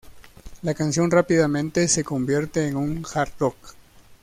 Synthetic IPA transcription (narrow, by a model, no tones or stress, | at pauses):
lakansjo̞nrapiðamẽ̞nt̪e̞se̞ko̞mbje̞ɾt̪e̞ːŋuŋxaɾt̪lok